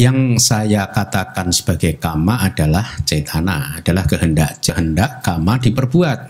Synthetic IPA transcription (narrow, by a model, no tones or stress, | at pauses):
jaŋsajakat̪akansə̥b̥aɡajkamaʔːd̥alaht͡ʃet̪ʰanaad̥alahkəɦəndaʔt͡ʃəɦəndaʔkamadipərbuat̪̚